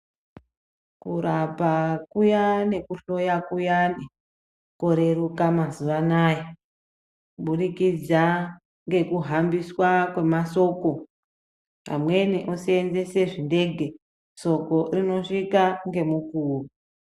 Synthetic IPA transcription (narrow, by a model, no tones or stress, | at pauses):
kuɾapakujanekuɬo̞jakujane | ko̞ɾe̞ɾukamazuʋanaja | uɓuɾikid͡za | ŋɡe̞kuɦambiswakwe̞maso̞ko̞ | ɦa̰mwe̞niʔosienze̞se̞ʐinde̞ɡʱe̞ | so̞ko̞rino̞ʂikaŋɡe̞mukuːru